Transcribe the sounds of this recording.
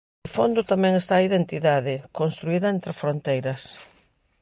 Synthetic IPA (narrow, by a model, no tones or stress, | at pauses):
ɪfond̪ʊt̪amɛ̃ŋest̪aːiðent̪iðaðɪkonst̪ɾuiðɐent̪ɾɪfɾont̪ejɾɐs